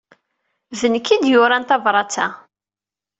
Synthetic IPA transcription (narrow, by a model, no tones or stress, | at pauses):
ðənkːid̪jʊɾant̪ɑvɾˤɑt͡sa